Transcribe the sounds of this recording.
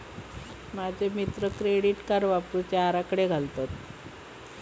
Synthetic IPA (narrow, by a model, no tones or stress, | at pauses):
mad͡ʑʱemit̪ɾəkɾeɽiʈkaɾʋaput͡ɕaaɾakəɽeɡʱalt̪at̪